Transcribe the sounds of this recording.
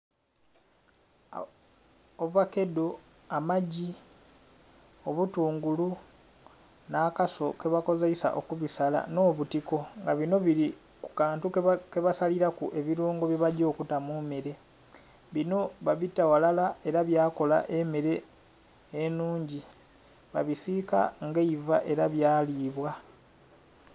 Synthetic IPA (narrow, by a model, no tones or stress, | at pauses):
ovake̞do̞ | amaɟi | oβutuːŋɡulu | naːkaso̞ke̞βako̞zeisa̰ʔo̞kuβisala̰no̞ːβutiko̞ŋɡaβino̞βiɾi | kukaːntuke̞βasaliɾakuʔe̞βiɾuːŋɡo̞βjiβaɟo̞ːkutamumeɾe̞ | βino̞βaβitːawalalae̞ɾaβjaːko̞la̰ʔe̞meɾe̞ː | nuːɲɟi | βa̰βisika̰ŋɡeiva̰ʔe̞ɾaβjaːliːβwa